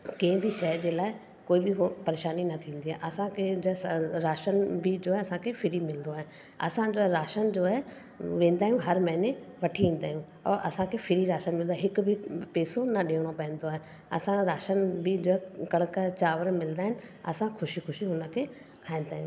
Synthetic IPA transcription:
kẽɦɪ̃bɪʃɐɦəɾd͡ʑeːlaːɪ | koːibɪɦpɐɾeːʃaːninɐt̪ʰĩːn̆d̪iɦaːeʔɐsãkʰed͡ʑɾaːʃənbid͡ʑoːaɦeɐsãkʰefʰɪɾimɪlnd̪oaːɦe | ɐ̰sãd͡ʑoːaɦɾaːʃənd͡ʑoːaɦe | ʋẽːn̆d̪aːɦijũɦɐɾmɐɦɪneʋɐʈʰiʋĩːn̆d̪a̰ːɦijũ | ɔ̰ːʔɐsãkʰefʰɪɾiɾaːʃənmɪl̃nd̪aɪɦɪkʊbʱɪpeːsonɐɗiːɽ̃opɐɦɪ̃n̆d̪oaːɦe | ɐ̰sãɾaːʃənbɪd͡ʑoːkɐɽ̃əkət͡ɕaːʋəɾmɪld̪aːɦɪ̃nɪ̆ɐ̰sãxʰʊʃixʊʃiɦʊnəkʰeː | kʰaːɦĩn̆d̪aːijũ

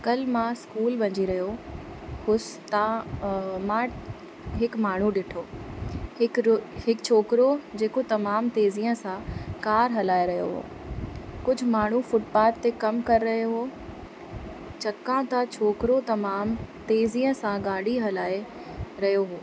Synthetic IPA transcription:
kɐlmãskuːlʋɐ̃ɲd͡ʑiɾɐɦjo | hʊst̪ã | mãː | ɦɪkmaːɳ̤uɗɪʈʰoːhɪkhɪkt͡ɕʰoːkɾod͡ʑeːkot̪ɐmaːmt̪eːziːə̃sãkaːɾɦɐlaːeɾɐɦjo̰ɦo̰ː | kʊd͡ʑʱʊmaːɳ̤ufʊʈpaːt̪t̪ekɐmkɐɾːɐɦjoɦoː | t͡ɕɐkːãt̪at͡ɕʰoːkɾot̪ɐmaːmt̪eːziːə̃sãɡaːɽ̤iɦɐlaːe | ɾɐɦjoɦoː

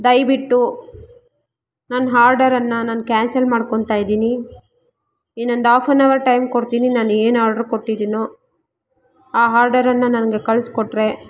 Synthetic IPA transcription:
d̪ɐjbiʈːu | nanɦaːɾɖɐɾɐnːɐnaːnkaːnsɐlmaːɖkoɳt̪aːjid̪iːni | iːno̞nd̪aːpʰɐnːɐʋɐɾʈɐjmkoɽt̪iːninaːneːnaːɾɖɐɾkoʈːid̪iːnoː | aːɦaːɾɖɐɾɐnːɐnɐnɐɡe̞kɐɭskoʈːɾe̞

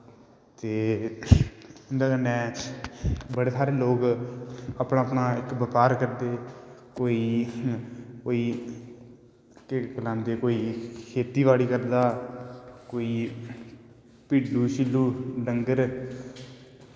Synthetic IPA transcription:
t̪eː | ɪnd̪ãːkənːɛ̃ː | bəɽeːsaːɾeːloːk | apɳaːəpnaːɪkbəkaːɾkəɾd̪eːkoːiː | koːiː | kkəlãːnd̪eːkoːiːkʰeːt̪iːʋaːɽiːkəɾd̪aː | koːiː | piːʈduːʃilːuːɖəŋɡəɾ

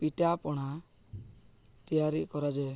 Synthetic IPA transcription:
piʈapɔɽ̃a | t̪ijaɾikɔɾad͡ʒae

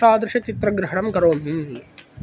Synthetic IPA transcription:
aːd̪ɾuʂɐt͡ʃit̪ɾɐɡɾɪɦɐɳɐmkɐɾoːmɦii

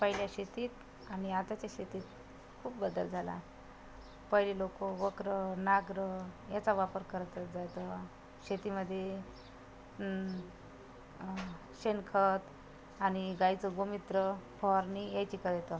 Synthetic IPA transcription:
pəɦiljaɕet̪iːt̪ | añiat̪at͡ɕaɕet̪iːt̪̚ | kʰuːp̚bəd̪ə̰ld͡zʱala̰ | pəɦlilokoʋəkɾənaɡɾəjat͡saʋapəɾkəɾt̪əd͡zat̪ə | ɕet̪iməd̪ʱːje | ɕenkʰət̪ | añiɡajt͡səɡomit̪ɾəfɔɾnijet͡ɕikəɾjet̪ə

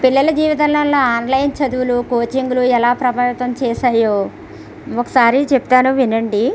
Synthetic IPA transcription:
piɭːɐlɐd͡ʒiːʋit̪ɐnlɐnloːaːnlɐjnt͡ʃɐd̪uwulukoːt͡ʃiŋɡuluɛlaːpɾɐbʱaːʋit̪ɐmt͡ʃɛːʃaːjoː | okɐ̥saːɾit͡ʃepu̥t̪aːnuʋinɐɳɖi

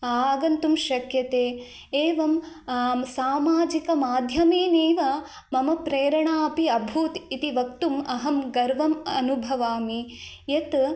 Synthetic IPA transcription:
aːɡɐnt̪umʃɐkjɐt̪eː | eːʋɐmː | saːmaːd͡ʒikɐmaːd̪ʱjɐmiːneːʋɐ | mɐmɐpɾeːɾɐɳaːpiɐbʱuːt̪it̪iʋɐkt̪umɐɦɐmɡɐɾʋɐmɐnubʱɐʋaːmi | jet̪

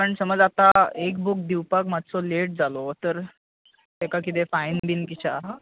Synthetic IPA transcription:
pəɳsəməd͡zat̪aekbuk̚d̪iwpakmat̪t͡sɔleʈ̚d͡zalɔt̪əɾ | t̪ekak̬it̪̬efainbinkit͡ɕaɦ

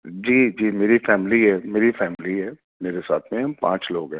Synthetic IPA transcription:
d͡ʒiːd͡ʒiːmeːɾifɛːmliɦɛːmeːɾifɛːmliɦɛː | meːɾesa̰ːt̪ʰmẽpã̰ːt͡ʃloːɡɦɛː

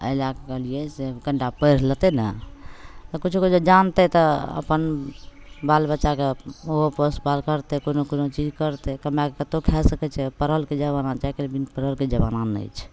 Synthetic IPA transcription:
ə̰lakekəɦliɛseɡəɳɖapəɪɾlət̪ɛnə̰ | t̪ɔkut͡ʃʰuked͡ʒed͡ʒant̪ɛt̪ɔə̰pən | balbətːʃakeoɦoposbalkəɾt̪ɛkonokonot͡ʃid͡ʒkəɾt̪ɛkəmjakekət̪okʰɛsəkɛt͡ʃʰɛpəɾəlked͡ʒəβanat͡ʃaikelbinpəɾəlked͡ʒəbananə̰jt͡ʃʰ

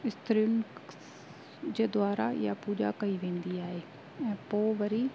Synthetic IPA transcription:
ɪst̪əɾiʊn | d͡ʑeːd̪ʊaːɾaja̰puːd͡ʑa̰kɐiʋẽːnd̪iaːɦeː | ɛ̃ːpoːʋɐɾi

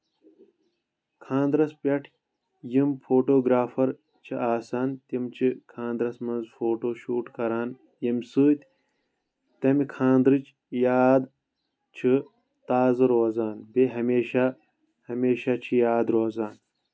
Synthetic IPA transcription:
kʰãːnd̪ɾɐspɐʈʰ | jimfoːʈoːɡɾaːfɐɾ | t͡ʃʰiaːsaːnt̪imt͡ʃʰikʰãːnd̪ɾɐsmɐnzfoːʈoːʃuːʈkɐɾaːn | jimsuːt̪ | t̪ɐmikʰãːnd̪ɾɨt͡ʃ | jaːd̪ | t͡ʃʰi | t̪aːzɾoːzaːnbeɦɐmeːʃa | hɐmeːʃat͡ʃʰijaːd̪ɾoːzaːn

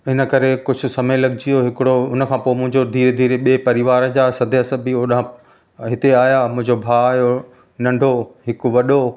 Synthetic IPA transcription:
ɪnə̆kɐɾekʊd͡ʑʱʊ̆sɐmelɐɡɪd͡ʑijoɦɪkɪɽoʊnə̆kʰãːpoːɪmʊ̃ɦɪ̃ɲd͡ʑod̪ʱiːɾed̪ʱiːɾeɓeːpɐɾɪʋaːɾəd͡ʑaːsɐd̪ʱəɐsəbioːɗaɦã | ɦɪt̪eaːjamʊ̃ɦɪ̃ɲd͡ʑobʱaːaːjo | nɐ̃ɳɖʱoɦɪkʊʋɐɗo

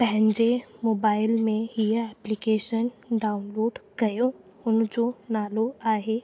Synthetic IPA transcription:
p̪ɛɦnd͡ʒemoːbaːɪlmẽɦijɛplikeːʃənɖaːʊnloːɖɡɐjo | ʊnd͡ʒonaːloaːɦe

